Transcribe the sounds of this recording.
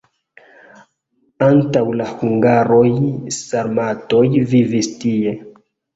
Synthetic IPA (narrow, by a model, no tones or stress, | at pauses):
antawlahuŋɡaɾojsaɾmato̞jvivistie̞